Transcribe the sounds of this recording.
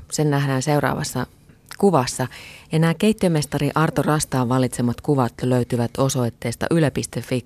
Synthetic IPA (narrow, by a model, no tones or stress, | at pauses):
senːæhdæːnse̞urɑ̰ːʋɑ̰sːɑ | kuʋɑsːɑenæːke̞jt̪ːiøme̞st̪ɑɾiʔɑrt̪orɑst̪ɑːʋʋɑlit̪semɑt̪kuʋɑt̪løyt̪yʋæt̪o̞so̞jt̪ːe̞ːst̪ɑ̰ʔylæpist̪efːi